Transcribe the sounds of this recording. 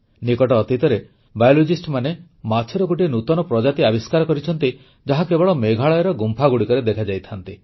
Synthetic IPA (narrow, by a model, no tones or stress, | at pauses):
nikɔʈɔːt̪it̪ɔɾe | bajɔlod͡ʒisʈmane | mat͡ʃʰɔɾɔɡoʈ̬inut̪ɔnɔpɾɔd͡ʒat̪iabiskaɾɔkɔɾit͡ʃʰɔnt̪i | d͡ʒaɦakebɔɭɔmeɡʱaɭɔjeɾɔɡumpʰaɡuɽikɔɾed̪ekʰad͡ʒajt̪ʰant̪i